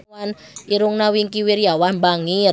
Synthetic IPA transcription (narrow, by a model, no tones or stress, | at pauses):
an | iɾʊŋnawiŋkiwɪrjawahmbaŋɪr